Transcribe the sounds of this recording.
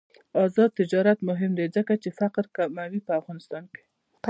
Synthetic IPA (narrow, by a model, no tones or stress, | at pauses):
ɑzɑd̪̚t̪ɪd͡ʒɑɾat̪mʊɦɪmd̪ezəkat͡ʃefaqɾkamawipəafɣɑnɪst̪ɑnke̥